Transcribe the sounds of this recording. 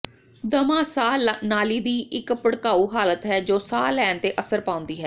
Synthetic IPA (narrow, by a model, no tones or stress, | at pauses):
d̪əmaːsaːnaːliːd̪iːɪkpəɽkaːuːɦaːlət̪ɦɛːd͡ʒoːsaːlɛːnt̪eːʔəsəɾpãːʊ̃nd̪iːɦɛː